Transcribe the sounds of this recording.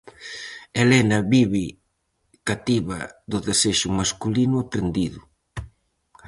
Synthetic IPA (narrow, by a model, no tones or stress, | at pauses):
elenɐβiβi | kat̪iβɐðʊðeseʃʊmaskulinʊapɾend̪iðʊ